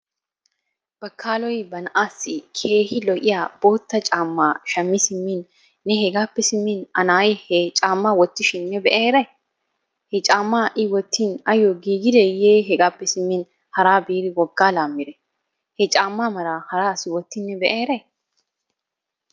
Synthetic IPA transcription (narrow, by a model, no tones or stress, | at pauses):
b̥ɐkʰːaːlɔjbɐnʔaːsːɪkʰeːhɪlɔʔʼɪjaːb̥oːt̪ːɐt͡ʃʼaːmːaːʃɐmːɪsɪmːɪnː | ɛɦɛɡaːpːɛsɪmːɪnɐnaːjɛhɛt͡ʃʼaːmːawɔt̪ːɪʃɪnːɛbɛʔeːɾɐj | hɛt͡ʃʼaːmːaːʔɪwɔt̪ːinɐjoɡiːɡɪd̪ɛjeːɦɛɡaːpːɛsɪmːɪn | hɐɾaːbiːɾɪwɔɡːaːlaːmːɪɾɛ | hɛt͡ʃʼaːmːaːmɐɾaːhɐɾaːsɪwɔt̪ːɪnːɛbɛʔeːɾɐj